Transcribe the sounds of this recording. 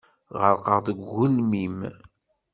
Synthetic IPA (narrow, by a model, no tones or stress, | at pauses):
ʁəɾˤqəʁðˤəɡʷːʊlmim